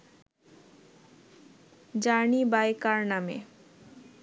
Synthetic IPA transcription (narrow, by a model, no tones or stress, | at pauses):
d͡ʑanibajkaɾnamḛ